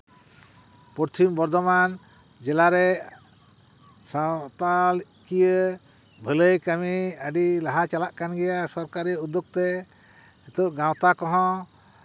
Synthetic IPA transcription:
pɔɾt̪ʰimbɔɾd̪ɔman | d͡ʒɛlaɾɛ | sawt̪alʔkijə | bʱələjkamiəɖilaɦat͡ʃalaʔkanɡɛjasɔɾkaɾiəud̪uk̚t̪ɛ | it̪ɔʔɡãwt̪akɔɦɔ̃

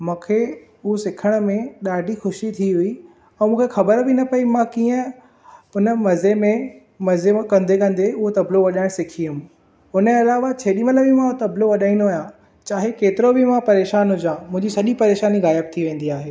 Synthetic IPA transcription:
mũːkʰe | ʊosɪkʰəɽ̃̆mẽɗaːɖʱixʊʃit̪ʰiɦʊi | ɛ̃ːmũːkʰexɐbəɾbɪnɐpɐimãkiːə̃ | ʊnə̆mɐzemẽ | mɐzekɐ̃nd̪ekɐ̃nd̪eʊɦot̪ɐbloʋɐɗaːɪɽ̃sɪkʰijʊm | ʊnẽɐlaːʋat͡ɕʰeːɗimələbɪmãt̪ɐbloʋɐɗaːĩnojã | t͡ɕaːɦekeːt̪ɪɾobɪmãpɐɾeːʃaːnɦʊd͡ʑãːmʊ̃ɦɪ̃ɲd͡ʑisɐʄipɐɾeːʃaːniɣaːjəb̚t̪ʰiʋẽːn̆d̪iaːɦeː

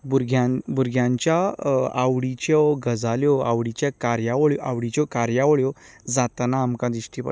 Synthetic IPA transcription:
buɾɡʱjãbuɾɡʱjãɲt͡ɕjaa̰wɽit͡ɕewɡʱəd͡zaljɔa̰ʋɽit͡ɕjakaɾjaʋɔɭjɔʔawɽit͡ɕɔkaɾjaʋɭjɔ | d͡zat̪anaːmkãd̪ɾiɕʈipa̰

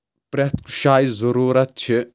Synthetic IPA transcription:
pɾɐt̪ku̥ʃaːjizɐɾuːɾɐt̪̚t͡ʃʰi

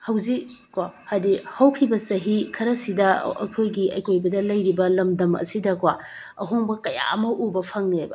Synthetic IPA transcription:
hɐwzikkwahadihɐwkʰibɐsɐɦikʰɐɾɐsidɐɐ̰kʰojɡiɐ̰jkʰojbɐdɐlɐjɾibɐlɐmdɐmɐ̰sidɐkwa | ɐ̰ɦoŋbɐkɐja̰ɐmɐʔubɐpʰɐŋnebɐ

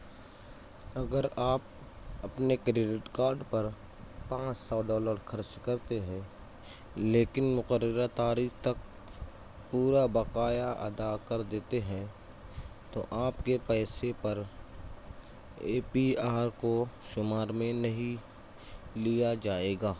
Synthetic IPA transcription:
ɐɡəɾaːp̚ | ɐpnekɾɪɖɪʈkaːɾɖpɐɾ | pãːt͡ʃsɔːɖɔːləɾxʰɐɾt͡ʃkɐɾt̪eɦɛ̃ | leːkɪnmʊqəɾːəɾat̪aːɾiːkt̪ɐk̚ | puːɾabɐqaːjaʔɐ̰d̪akɐɾd̪eːt̪eɦɛ̃ | t̪oʔaːpkepɛːsepɐɾ | eːpiaːɾkoʃʊmaːɾmẽnɐɦĩ | lijad͡ʒaːeːɡaː

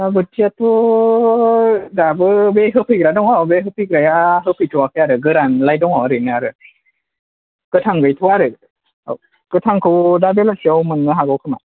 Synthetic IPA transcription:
abɯtʰːiatʰɔ | dabɯbeɦɯpʰɯjɡɾadɔŋabeɦɯpʰɯɡɾajaɦɯpʰɯjtʰuwakʰɯjaɾɯɡɯɾanlajdɔŋawɾɯnɯaɾɯ | kɯtʰaŋɡɯjtʰuwaɾɯ | kɯtʰaŋkʰɯwdabelasiawmɯnːɯɦaɡɯwkʰɯma

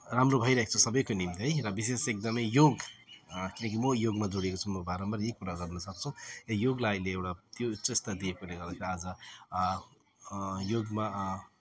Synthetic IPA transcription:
ramrobʱʌjɾʌaɦek̚t͡sʰusʌbʌjkonimt̪iɦʌjɾʌbis̬esek̚d̪ʌmʌjjoɡ | kinʌk̬imʌjoɡmad͡zoɽiekot͡sʰumʌbaɾʌmbʌɾekːuɾaɡʌrnʌsʌk̚t͡sʰũejoɡlajleewʈat̪jotːt͡sest̪ad̪iekoleɡʌrd̪akʰiɾiad͡zʌ | joɡma

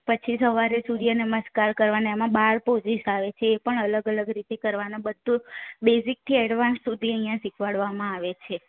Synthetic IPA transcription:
pət͡ʃʰisəʋaɾesud̪ianəməskaɾkəɾʋaneemãbaɾpod͡ʒisaʋet͡ʃʰeːpəɳələɡələɡɾit̪ekəɾʋanabəd̪ʱːubezik̚t̪ʰiɛɽʋãnssud̪ʱiəɦijãsikʰʋaɭʋamãaʋet͡ʃʰe

